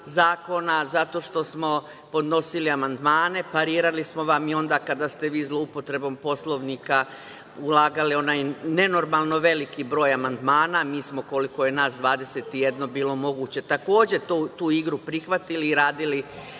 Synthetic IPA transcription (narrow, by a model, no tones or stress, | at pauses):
zaːko̞nazat̪o̞ʃt̪o̞smo̞ | po̞d̪no̞siliamand̪maːne̞paɾiːɾalismo̞ʋamio̞nd̪aːkad̪ast̪e̞ʋiːzlˠo̞upo̞t̪ɾe̞bo̞mpo̞slˠo̞ʋnika | ulˠaːɡalio̞najne̞no̞ɾmalˠno̞ʋe̞likibɾo̞ːjamand̪maːnamiːsmo̞ko̞liko̞je̞naːsd̪ʋaːd̪e̞se̞t̪ije̞d̪no̞biːlo̞mo̞ɡuːt͡ɕe̞t̪ako̞ːd͡ʑe̞t̪ot̪uːiɡɾupɾixʋat̪iliːɾaːd̪ili